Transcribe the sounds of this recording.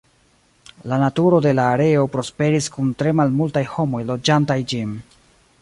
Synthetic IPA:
lanatuɾo̞de̞laːɾe̞o̞pɾo̞spe̞ɾiskuntɾe̞malmultajho̞mo̞jlo̞d͡ʒantajd͡ʒin

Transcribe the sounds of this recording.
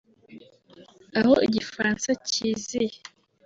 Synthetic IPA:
ahɔeɟifaansacize

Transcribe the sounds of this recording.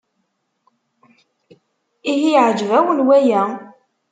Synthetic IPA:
iɦiʕəd͡ʒvæwənwæjæ

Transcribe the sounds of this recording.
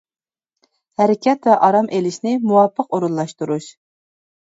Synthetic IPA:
hæɾɪkʲʰɛt̪vɛʔɑɾɑmʔelɪʃnɪmuwɑpʰːəqoɾunlˠɑʃt̪uɾuʃ

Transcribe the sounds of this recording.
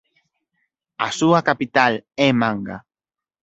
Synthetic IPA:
a̰suakapit̪alemãŋɡa̰

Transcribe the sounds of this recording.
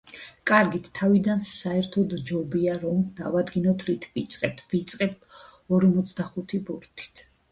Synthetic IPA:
kʼaɾɡit̪ʰːavid̪ansaɛɾt̪ʰɔd̪d͡ʒɔbiaɾɔmd̪a̰vad̪ɡinɔt̪ʰɾit̪ʰvit̪sʼqʼɛt̪ʰv̥it̪sʼqʼɛt̪ɔɾmɔt̪sʰd̪aχut̪ʰibuɾt̪ʰi̥t̪ʰ

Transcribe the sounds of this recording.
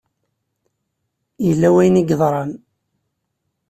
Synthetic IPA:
jəlːæwæjniɡðˤɾˤɑn

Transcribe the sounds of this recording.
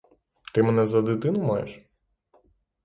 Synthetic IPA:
t̪ɪmenɛzɐd̪ɪt̪ɪnʊmɑjḛʃ

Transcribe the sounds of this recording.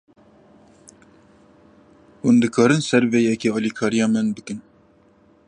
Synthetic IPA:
hund̪ɨkʰɑːɾɨnsɛɾvejɛkeɑːlikʰɑːɾijɑːmɨnbɨkɨn

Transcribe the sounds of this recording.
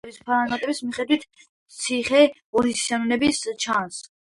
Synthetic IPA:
bispʰaɾanat̪ʼɛbismiχɛd̪wit̪ʰ | t̪sʰiχɛ | ɔɾissanulɛbist͡ʃʰans

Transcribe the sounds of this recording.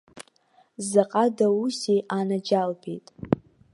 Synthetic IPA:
zaqʼadausejʔanad͡ʒalbejtʼ

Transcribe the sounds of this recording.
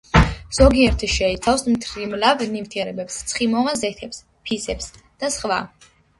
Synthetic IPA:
z̥ɔɡiɛɾt̪ʰʃɛit̪sʰafsmt̪ʰɾimlavnift̪ʰiɛɾɛbɛpst̪sʰχimɔʁanzɛt̪ʰɛps | pʰisɛps | d̪̥asχva

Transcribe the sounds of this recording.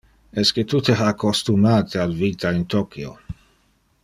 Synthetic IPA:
ɛsket̪ut̪eɦakost̪umaːt̪ʰealviːt̪aint̪okjo̰

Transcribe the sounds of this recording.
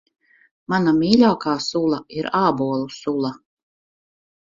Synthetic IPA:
manamiːlʲaːkaːsulˠaiɾaːbuɔlˠusulˠa

